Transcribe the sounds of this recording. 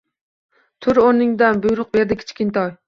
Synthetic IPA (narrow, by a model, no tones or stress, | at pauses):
t̪ʰʊɾonɪŋd̪anbʊjɾʊq̚beɾd̪ɪkʲʰɪ̥t͡ʃkʲɪnt̪ʰɒj